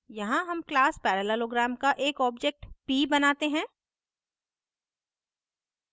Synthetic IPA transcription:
jɐɦãɦɐmklaːspɛːɾələloːɡɾaːmkaʔeːkɔːb̚d͡ʒek̚ʈpiːbɐnaːt̪eɦɛ̃ː

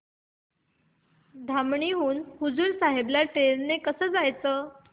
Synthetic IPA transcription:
d̪ʱamɳiɦuːnhud͡zuːlsaɦebljaʈelnekəsəːd͡zajt͡səː

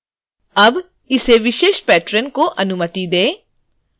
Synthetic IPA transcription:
ɐb | ɪseʋɪʃeːʃpɛːʈɾənkoʔɐnʊmət̪id̪eː

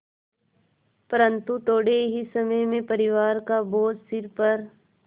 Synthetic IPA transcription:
pəɾə̃nt̪ut̪oːɽeɦisɐməjmẽpəɾɪʋaːɾkaboːd͡ʒsɪɾpɐɾ

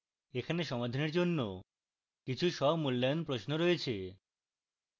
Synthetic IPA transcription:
ekʰaneʃɔmad̪ʱaneɾd͡ʑonːo | kit͡ɕʰuʃɔbmulːajonpɾosnoɾɔjet͡ɕʰe

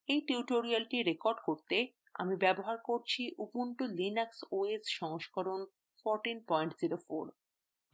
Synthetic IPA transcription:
ejʈiuʈoɾialʈiɾekɔɾɖkoɾt̪e | a̰mibɛboɦaɾkoɾt͡ɕʰiʔupuɳʈolinaksoesʃɔŋoʃkoɾon | fɔɾʈinpɔjɳʈz̥iɾofoɾ

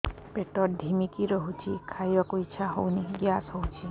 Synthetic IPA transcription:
peʈɔɾd̪ʱimikiɾɔɦut͡ʃʰikʰajɔkuit͡ʃʰaɦowniɡjasɦowt͡ʃʰi

